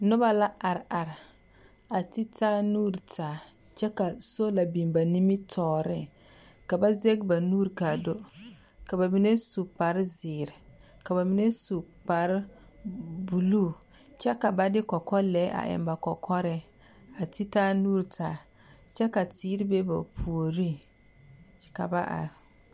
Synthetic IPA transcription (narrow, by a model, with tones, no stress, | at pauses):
nʊ˦ba˦la˦a˨ɾa˨ɾɪ˨ | a˨ti˦taː˦nuː˦ɾtʰaː˨ | t͡ʃɛ˦ka˨so˦la˨bi˨mba˨ni˦mi˦tʰɔː˨ɾɪ˦ | ka˨ba˦ze˦ɡba˨nuː˦ɾka˨do˦ | ka˨ba˨mi˨˦ne˦su˨pa˨ɾzɪː˨ɾɪ˨ | ka˨βa˨mi˨ne˦su˨ | k͡pa˨ɾ | bu˨luː˦˨ | t͡ʃɛ˦ka˨ba˦dɪ˦kɔ˨kɔ˦lɛː˨˦ʔa̰˨ʔɪ̰˨mba˨kɔ˨kʰɔ˦ɾɪ˦ | a˨ti˦taː˦nuː˦ɾtʰaː˨ | t͡ʃɛ˦ka˨tiː˦ɾi˦be˦ba˨pʰu˨o˨ɾi˦ | ka̰˨ba˦ʔa̰˨ɾɪ˨